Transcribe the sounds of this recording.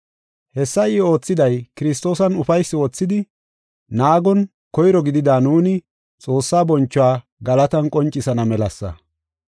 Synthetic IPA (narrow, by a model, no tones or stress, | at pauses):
hɛsːɐɪo̞ːt͡sːɪd̪ɐjkɪɾɪs̬t̪ːo̞ːsɐnʊfɐjsːɪwɔt͡sːɪd̪ɪ | naːɡɔn | kɔjɾɔɡɪd̪ɪd̪aːnuːnɪ | t͡sʼo̞ːsːaːbɔnt͡ʃːʊwaː | ɡɐlɐt̪ɐnkʼɔnt͡ʃʼːɪsɐnɐmɛlɐsːɐ̰